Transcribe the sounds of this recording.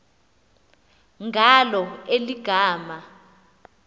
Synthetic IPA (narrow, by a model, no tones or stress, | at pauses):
ŋɡʱalɔeliɡ̥ʱaːma